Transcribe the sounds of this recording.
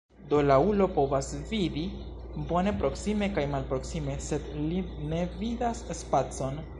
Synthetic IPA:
d̪o̞laulo̞po̞vasvidi | bo̞ne̞pɾo̞ksime̞kajmalpɾo̞ksime̞se̞dline̞vidasːpat͡so̞n

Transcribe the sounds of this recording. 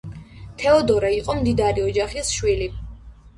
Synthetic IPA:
t̪ʰɛɔd̪ɔɾaiqʼɔmd̪id̪aɾiɔd͡ʒaχisʃwili

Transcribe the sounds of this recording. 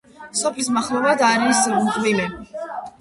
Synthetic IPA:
sɔpʰlismaχlˠɔvad̪aɾiskʼvilɛ

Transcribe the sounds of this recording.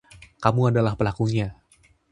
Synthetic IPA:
kamuadalahpəlakuɲa

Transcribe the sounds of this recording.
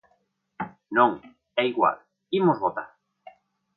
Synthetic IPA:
nõŋ | ɛiɣwa̰l | imozβɔt̪a

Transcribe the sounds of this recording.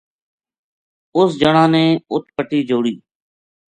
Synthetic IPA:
ʊsd͡ʒəɳãːnẽːʊt̪̚pəʈiːd͡ʒoːɽiː

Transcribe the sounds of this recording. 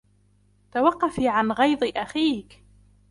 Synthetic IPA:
t̪awɑqːɑfiʕanɣɑjd̪ˤɨʔaxiːk

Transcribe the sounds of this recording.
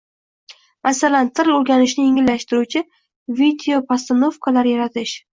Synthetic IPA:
masalant̪ʰɪɾloɾɡʲanɪʃnɪjɪŋɪlːaʃt̪ɪɾut͡ʃʰɪ | vid̪eopʰast̪ono̞fkʰalaɾjaɾat̪ʰɪʃ

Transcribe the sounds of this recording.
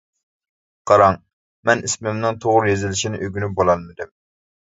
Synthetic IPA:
qʰɑɾɑŋ | mɛnismɪmnɨŋt̪ʰoʁʊɾjezɪlɪʃinɪʔøɡʲynybolˠɑnmɪd̪ɪm

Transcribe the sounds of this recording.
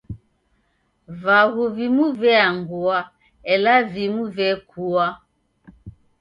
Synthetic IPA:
vaɣuvimuvɛaŋɡua | ɛlavimuvɛkʰua

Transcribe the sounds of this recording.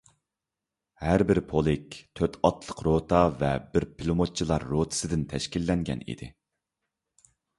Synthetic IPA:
hæɾbɪɾpʰolˠɪk̚ʲt̪ʰøt̪ʰɑt̪ʰlˠəqɾot̪ʰɑvɛbɪɾpʰilˠumot̪̚t͡ʃʰilˠɑɾːot̪ʰɨ̥sɨd̪ɪnt̪ʰɛʃkʲilːɛŋɡʲɛ̰nḭd̪ɪ̰

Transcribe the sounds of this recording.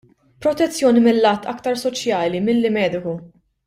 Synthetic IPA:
pɾɔt̪ɛt͡sːjɔːnimɪlːɐːt̪ːɐ̰kt̪ɐɾsɔt͡ʃjɐːlimɪlːɪmɛːd̪ɪku

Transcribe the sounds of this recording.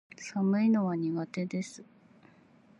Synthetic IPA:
samɯ̟ino̞βaɲ̟iɡat̪e̞d̪e̞sɨ̥

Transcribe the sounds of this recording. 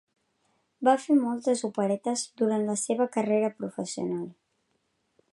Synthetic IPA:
bafemɔlˠt̪əzupəɾɛt̪əzd̪uɾant̪ləseβ̞əkəreɾəpɾufəsiṵnalˠ

